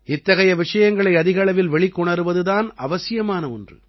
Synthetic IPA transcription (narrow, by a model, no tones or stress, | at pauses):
ɪt̪ːɐɣɐjɐʋɪʂɐjɐŋɡɐɭɐɪɐðɪɣɐɭɐʋɪlʋɛɭɪkːɔɳɐɾɯʋɐðɯðaːnɐʋɐsɪjɐmaːnɐɔndrɯ̰